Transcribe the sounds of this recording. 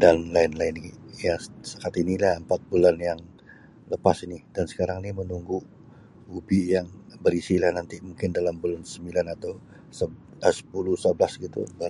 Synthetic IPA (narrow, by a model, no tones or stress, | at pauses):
danlaɪnlaɪnjasakat̪inilahəmpat̪̚bulanjaŋ | ləpasinidansə̥kaɾaŋnimənuŋɡu | ubijaŋbəɾisilahnant̪imuŋkɪndalambulansəmbilanat̪aw | sə | əsə̥pulusəblasɡit̪ṵbaɾ